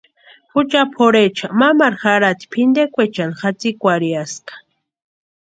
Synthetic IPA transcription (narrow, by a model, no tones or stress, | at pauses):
xʊt͡ʃapʰoɾet͡ʃamamaɾxaɾat̪i̥pʰɪnd̪ekʷet͡ʃanxat͡sikʷaɾjaskḁ